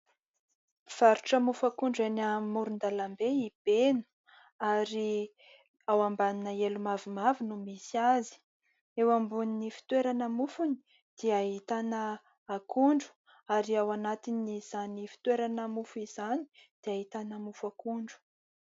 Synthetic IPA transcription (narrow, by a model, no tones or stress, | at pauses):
v̥aɾuʈ͡ʂəmufakuɳɖ͡ʐanamuɾund̪alambeib̥enu̥ | aɾi | awambaninəelumavumavinumisiazi̥ | ewambuninifi̥t̪weɾanəmufuni̥ | d̪̥iaɦit̪anəː | kuɳɖ͡ʐu̥ | aɾiawanat̪iniz̥anifi̥t̪weɾanəmufuizani̥d̪̥eaɦit̪anəmufakuɳɖ͡ʐu̥